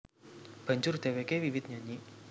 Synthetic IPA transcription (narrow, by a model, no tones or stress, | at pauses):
b̥ə̤ɲd͡ʒʊrd̪̥ɛ̤wekewiwɪt̪̚ɲaɲiʔ